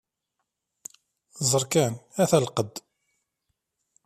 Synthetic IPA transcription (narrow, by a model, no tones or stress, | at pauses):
zˤəɾˤkænæθælqəd̪